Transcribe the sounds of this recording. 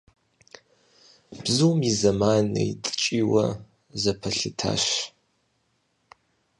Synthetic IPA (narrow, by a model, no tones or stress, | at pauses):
b̥zɨwmizɐmanɨitʼɨ̥t͡ʃʼiːwɐ̰ | zɐpʰɐɬɨtʰa̰ːʃ